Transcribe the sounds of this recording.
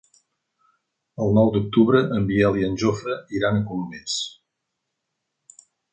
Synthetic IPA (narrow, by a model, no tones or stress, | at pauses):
əlˠnɔwd̪uk̚t̪uβɾəʔəmbiɛlˠiənʲʒofəiɾanəkummes